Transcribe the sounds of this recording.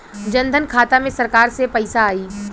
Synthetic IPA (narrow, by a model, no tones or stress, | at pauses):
d͡ʒɐ̃nd̪ʱənkʰaːt̪amẽsɐɾkaːɾsepɐɪsaːiː